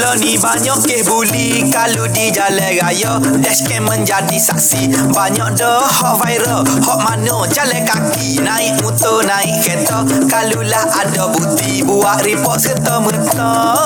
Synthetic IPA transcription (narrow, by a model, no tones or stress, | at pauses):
lɔnibaɲɔʔkɛhbuli | kaludid͡ʒalɛɡajɔ | dɛskɛmənd͡ʒadisak̚si | baɲɔʔ̚dɔhɔʔfaiɾal | hɔʔmanɔd͡ʒalɛjkakinaik̚mut̪ənaikkɛt̪ɔ | kalulahadabut̪ibuaʔɾipɔt̪sət̪ɔmət̪ɔ